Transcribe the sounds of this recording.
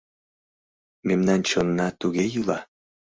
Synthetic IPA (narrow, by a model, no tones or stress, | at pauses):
memnɑnt͡ɕɤnːɑt̪uɣejɯlɑ